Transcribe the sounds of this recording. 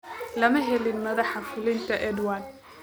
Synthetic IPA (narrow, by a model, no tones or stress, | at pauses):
lɐmɐɦɛlɪnmɐðɑħɑfʊlɪnt̪ʰɐʔɛd̪waːn